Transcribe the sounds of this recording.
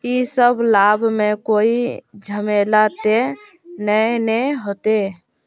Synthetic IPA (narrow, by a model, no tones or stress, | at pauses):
isəbʱlabʱmekoid͡ʒʱəmelat̪e | nənɛɦot̪e